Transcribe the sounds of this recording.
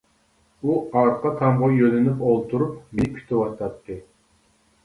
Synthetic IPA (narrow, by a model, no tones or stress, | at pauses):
uɑɾqʰɑt̪ʰɑmʁɑjølɪnypolˠt̪ʰuɾupmikʲʰy̥t̪ʰɪwɑʃt̪ɑt̪ʰːɨ